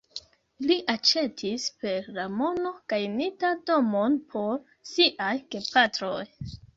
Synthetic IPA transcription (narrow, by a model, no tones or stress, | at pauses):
liʔat͡ʃe̞tʰispe̞ɾlamo̞no̞ɡ̥ajnitado̞mo̞npʰo̞ɾ | siʔajɡe̞pʰatɾo̞j